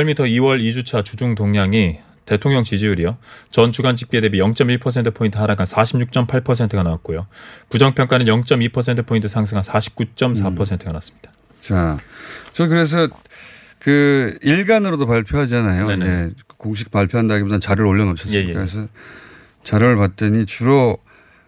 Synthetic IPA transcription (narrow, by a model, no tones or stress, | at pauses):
ʌɭmitʰʌiwʌɾid͡ʑut͡ɕʰat͡ɕud͡ʑuŋtoŋɲaŋi | te̞tʰoŋɲʌŋt͡ɕid͡ʑiuɾijot͡ɕʌnt͡ɕuɡand͡ʑʰik̚p͈edebijʌŋt͡ɕ͈ʌmiɭpʰʌsʰe̞ntʰɯ̥pʰointʰɯɦaɾaɡansʰaɕʰimɲuk̚t͡ɕ͈ʌmpʰaɭpʰʌsʰe̞ntʰɯɡanawat̚k͈ojopud͡ʑʌŋpʰjʌŋk͈anɯnjʌŋt͡ɕ͈ʌmipʰʌs̬ʰe̞ntʰɯ̥pʰointʰɯ̥sʰaŋs̬ʰɯŋɦansʰaɕʰi̥p̚k͈ut͡ɕ͈ʌmsʰapʰʌsʰe̞ntʰɯɡanaas͈ɯ̥mɲid̥ḁ | t͡ɕa | t͡ɕʌkɯɾe̞s̬ʰʌ | kɯiɭɡanɯɾodopaɭpʰjoɦad͡ʑianajoneneekoŋɕ̬ʰi̥k̚paɭpʰjoɦandaɡibodant͡ɕaɾɯɾoʎːʌnot͡ɕʰʌsjejekakɾesʰʌ | t͡ɕaɾɯɭpat̚t͈eɲit͡ɕuɾo